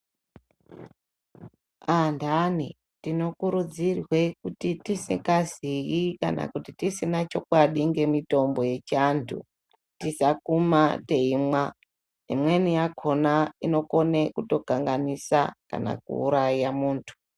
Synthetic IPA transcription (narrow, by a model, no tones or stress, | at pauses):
andani | tino̞kuɾud͡zirwe̞kutitisḭkazijika̰na̰kutitisinat͡ʃo̞kwaɗiŋɡe̞mito̞mbo̞je̞t͡ʃantʰṵ | tisakumate̞imwa | nemwe̞nijakʰo̞naino̞ko̞ne̞kuto̞kaŋɡanisa̰ka̰na̰k̚ṵːɾaijamuːntʰu̥